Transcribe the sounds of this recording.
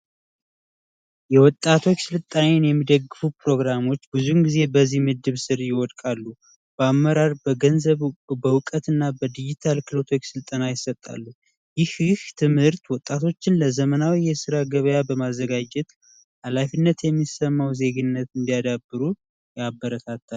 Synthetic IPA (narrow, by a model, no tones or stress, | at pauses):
jɛwɔt̪ʼːat̪ʰo̞t͡ʃːsɨlt̪ʼːanenjɛmːid̪əɡɨfupɾo̞ɡɾamo̞t͡ʃːbɨzunɡize̞bəzihmɨd̪ːɨβsɨɾjɪwɔd̪kʼalːu | b̥əamːəɾaɾbəɡənzəβbəwɨkʼət̪ɨnːabəd̪id͡ʒit̪ʰalkʰɨlo̞t̪ʰo̞t͡ʃːsɨlt̪ʼənajɪsːət̪ʼːa̰lːu | jɪhɪht̪ʰɨmhɨɾt̪wɔt̪ʼːat̪ʰo̞t͡ʃːɪnləzəmənawijɛsɨɾaɡəβəjabəmazːəɡad͡ʒɛt̪ | halafinːət̪jɛmːisəmːawze̞ɡɨnːət̪ɨnd̪ijad̪abɨɾu | jabːəɾət̪ʰat̪ʰːal